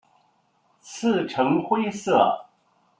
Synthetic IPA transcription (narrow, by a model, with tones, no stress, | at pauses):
t͡sʰɹ̩˥˩ʈ͡ʂʰɤ˧˥ŋxwe˥ɪsɤ˥˩